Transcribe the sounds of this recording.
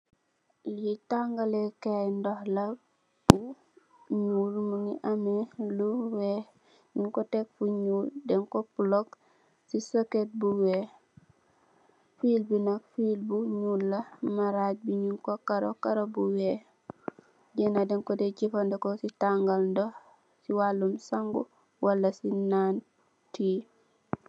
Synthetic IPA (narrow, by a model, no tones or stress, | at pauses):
ljitaŋɡalekejndohla | bu | ɲuːlmuŋiʔameluwe | ɲuŋkotekfuɲuːldeŋkopulok | sisoket̚buwe | filbunakfilbuɲulːamaɾaɟ̚biɲuŋkokaɾokaɾobuwe | ɟenadeŋkodeɟifandekositaŋɡalndo | siwalːumsaŋɡu | walːasinaːn | ti